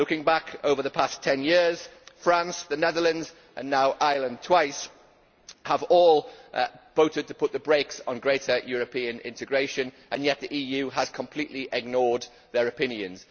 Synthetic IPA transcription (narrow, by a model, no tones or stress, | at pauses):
lʊkɪ̃ŋbakʰoʊvəðəpʰastʰɛ̃njɪɹz̥fɹãnsðənɛðələ̃ndz | ʔə̃nːaʊʔaɪlə̃ntʰw̥aɪs | həvɔːlˠv̥oʊtɪd̚tʰəpʰʊt̪̚ðəbɹeɪksn̩ɡɹeɪtəjɔːɹəpʰĩə̃nʔɪ̰̃ntɨɡɹeɪʃə̃n | ʔə̃njɛʔ̪̚ðiʔiːjʉːəz̥kʰə̃mpʰl̥iˑʔliʔɪɡ̚nɔːd̪̚ | ðəɹəpɪ̃njə̃nz̥